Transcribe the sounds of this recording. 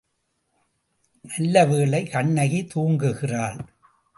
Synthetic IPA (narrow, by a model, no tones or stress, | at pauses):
nɐlːɐʋeːɭɐɪkɐɳːɐɣit̪uːŋɡɯɣɪraːɭ